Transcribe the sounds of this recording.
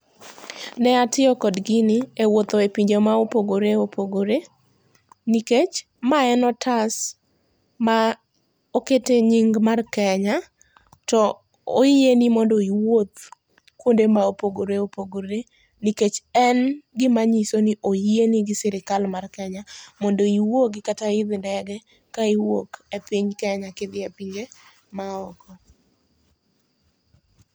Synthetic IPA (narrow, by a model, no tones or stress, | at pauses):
nɛatɪɔkɔdɡɪnɪewot̪oepiɲd͡ʒomaopoɡoɾeopʰoɡoɾe | niket͡ʃ | maɛnɔtʰas | ma | oketeɲiŋɡmarkɛɲa | tɔ | ojienimɔndɔiwot̪ | kwondemaopoɡoɾeopoɡoɾe | niket͡ʃɛnɡɪmaɲisoniʔoeniɡɪsɪɾɪkalmarkɛɲamɔndɔiwokɡɪkataɪd̪ndɛɡɛ | kaiwo̰kepɪɲkɛɲakɪd̪ɪepiɲd͡ʒe | maɔkɔ